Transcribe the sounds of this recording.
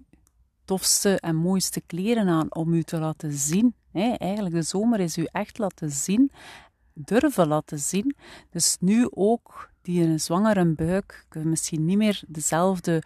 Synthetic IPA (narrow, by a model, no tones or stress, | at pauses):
tɔfstəʔɛnmoːjstəkleːɾənaːnɔmytəlaːtəzin | ɦɛɛjɣənləɡ̚dəzoːməɾɪsyʔɛxtlaːtəzin | dɵrvəlaːtəzind̥ɵsnyʔoːkd̥iənəzwɑŋəɾənbœːkmɪsxinːimɪːrdəzɛlˠvdə